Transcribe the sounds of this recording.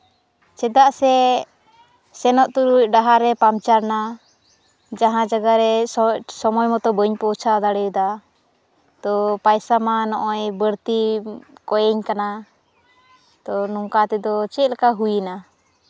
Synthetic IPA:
t͡ʃɛd̪aʔsɛ | sɛnɔʔt̪uɾuc̚ɖaɦaɾɛpamt͡ʃaɾna | d͡ʒaɦãd͡ʒaɡaɾɛsɔmɔjmɔt̪ɔbəɲpɔt͡ʃʰaɔd̪aɽɛjud̪a | t̪ɔpajsamanɔʔɔjbəɾt̪ikɔjɛɲkana | t̪ɔnuŋkat̪ɛd̪ɔt͡ʃɛt̪̚lakaɦujina

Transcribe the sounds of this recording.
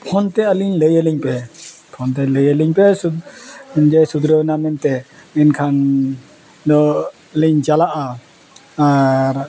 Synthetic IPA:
pʰɔnt̪ɛəliɲləjəliɲpɛpʰɔnt̪ɛləjəliɲpɛsu | d͡ʒɛsud̪ɾəwɛnamɛnt̪ɛɛnkʰan | dɔ | liɲd͡ʒalaʔa | aɾ

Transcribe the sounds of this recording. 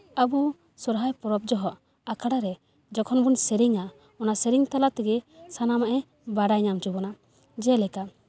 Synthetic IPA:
abu | sɔɾɦajpɔɾɔp̚d͡ʒɔɦɔʔ | akʰaɽaɾɛ | d͡ʒɔkʰɔnbunsɛɾiŋa | ɔnasɛɾiŋt̪alat̪ɛɡɛsanamaʔɛ | baɽajɲamt͡ʃubɔna | d͡ʒɛlɛka

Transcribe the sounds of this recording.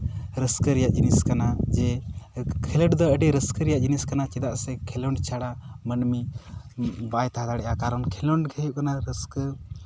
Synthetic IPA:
ɾəskəɾɛjaʔd͡ʒiniskanad͡ʒɛ | kʰɛləʈd̪ɔəɖɛɾəskəɾɛjaʔd͡ʒiniskanat͡ʃɛd̪aʔsɛkʰɛlɔɳɖt͡ʃʰaɽamənmi | bajt̪aɦad̪aɽɛʔakaɾɔnkʰɛlɔɳɖɡʱəjuʔkanaɾəskə

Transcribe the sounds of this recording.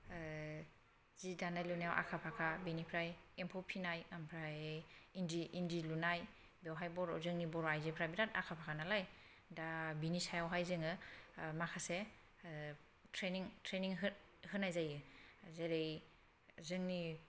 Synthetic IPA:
zidanajlunajawʔa̰kʰapʰakʰabinipʰɾajempʰɔpʰinajampʰɾajindiʔindilunaj | biawɦajbɔɾɔ̰zɯŋnibɔɾajzipʰɾajbiɾata̰kʰapʰakʰanalaj | dabinisajawɦajzɯŋɯmakʰase | tʰɾeniŋtʰɾeniŋɦɯ | hɯnːajzajɯzeɾej | zɯŋni

